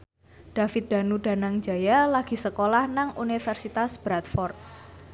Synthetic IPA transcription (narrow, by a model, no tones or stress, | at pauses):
d̥a̤fɪt̪̚d̪̥a̤nuɖ̥a̤naŋd͡ʒa̤jalaɡ̥i̤səkolahnaŋʔunifɛrsit̪asb̥ɾat̪̚fɔrt̪̚